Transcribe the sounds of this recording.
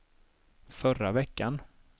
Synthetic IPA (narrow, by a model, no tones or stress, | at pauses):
fœɾavɛkːan